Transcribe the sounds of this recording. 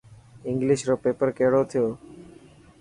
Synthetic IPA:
ɪŋɡlɪʃɾoːpeːpəɾkeːɽoːt̪ʰijoː

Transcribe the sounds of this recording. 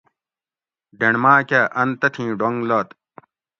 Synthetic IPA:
ɖeɳmaːkaːʔɐnt̪ɐt̪ʰĩːɖoŋloːt̪

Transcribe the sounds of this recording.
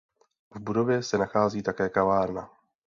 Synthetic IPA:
vbudo̞vjɛsɛnaxaːziːt̪akɛːkavaːɾna

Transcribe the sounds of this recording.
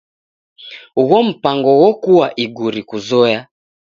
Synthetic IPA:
uɣɔm̩paŋɡɔwɔkuwaʔiɡuɾikuzɔja

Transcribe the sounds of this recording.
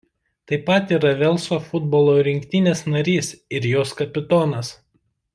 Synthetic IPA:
t̪ɐɪpɐt̪iːɾɐʋʲɛlˠˑsoːfʊd̪boːlˠoːɾʲɪŋʲkʲt̪ʲɪnʲeːsnɐɾʲiːsɪɾjoːskɐpʲɪt̪oːnɐs

